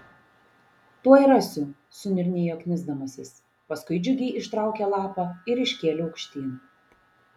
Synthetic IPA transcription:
t̪uɔɪɾɐsʲʊ | sʊnʲɪɾʲnʲijoːkʲnʲɪzd̪ɐmɐsʲɪs | pɐskʊɪd͡ʒʲʊɡʲɛɪʔɪʃt̪ɾɑˑʊkʲɛlˠɑːpɐɪɾɪʃʲkʲeːlʲɪɐʊkʃʲt̪ʲiːn

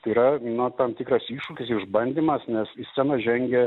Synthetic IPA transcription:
t̪ɐiːɾɐnɐt̪ɐmt̪ʲiːkɾɐsiːʃukʲɪsɪʒbɐnʲd̪ʲiːmɐsnʲɛsɪsʲɛnɐʒʲɛŋʲɡʲɛ

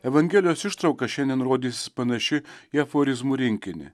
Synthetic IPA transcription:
ɛʋɐŋʲɡʲɛːlʲɪjoːsɪʃt̪ɾɐʊkɐʃʲɛnd̪ʲɛnɾoːd̪ʲiːsʲɪ̥spɐnɐʃʲɪiɛfoːɾʲɪzmuːɾʲɪŋʲkʲɪnʲɪ̰

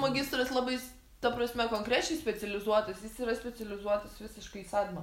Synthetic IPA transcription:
mɐɡʲɪst̪ɾɐslˠɑːbɐɪ | t̪ɐpɾɐsʲmʲɛkoːŋkɾʲæt͡ʃʲɛɪsʲpʲɛt͡s̪ʲɛlʲɪzuɔt̪ɐsjɪsiːɾɐsʲpʲɛt͡s̪ʲɛlʲɪzuɔt̪ɐsʋʲɪsʲɪʃkɐɪisɑːt̪ʲɪmɐ

